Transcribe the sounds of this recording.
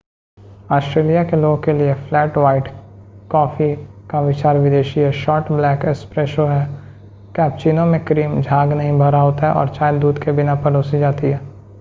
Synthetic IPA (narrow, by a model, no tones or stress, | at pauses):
ɔːsʈɾeːlijakeloːɡõkelieflɛːʈʋaːɪʈkɔːfʰikaʋɪt͡ʃaːɾʋɪd̪eːʃiɦɛʃɔːɾʈblɛːkɪspɾɛːʃoɦɛː | kɛːp̚t͡ʃiːnõmẽkɾiːmd͡ʒʱaːɡnɐɦĩbʱɐɾaɦoːt̪aɦɛʔɔ̰ːɾt͡ʃaːjed̪uːd̪kebɪnapɐɾoːsid͡ʒaːt̪iɦɛː